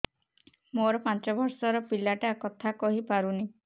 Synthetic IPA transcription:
moɾɔpant͡ʃɔbʱɔɾsɔɾɔpilaʈakɔt̪ʰakɔɦipaɾuni

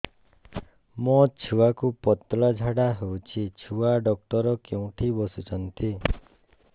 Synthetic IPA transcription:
mɔt͡ʃʰuwakupɔt̪lad͡ʒʱaɽaɦewt͡ʃʰit͡ʃʰuaɖɔk̚ʈɔɾɔkeũʈʰibɔsut͡ʃʰɔnt̪i

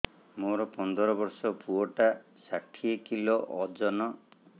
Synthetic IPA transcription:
moɾɔpɔnd̪ɔɾɔbɔɾsɔpuɔʈa | saʈʰiekiloʔɔd͡ʒɔnɔ

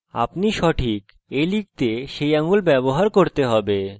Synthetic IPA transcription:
a̰pniʃɔʈʰik | elik̚t̪eʃejaŋulbɛboɦaɾkoɾt̪eɦɔbe

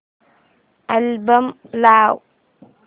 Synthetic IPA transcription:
ʔalbamlaw

